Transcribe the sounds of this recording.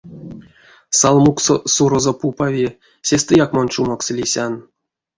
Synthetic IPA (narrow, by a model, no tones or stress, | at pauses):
salˠmukssuɾozopupavʲi | sʲest̪ɨjakmant͡ʃumakslʲisʲan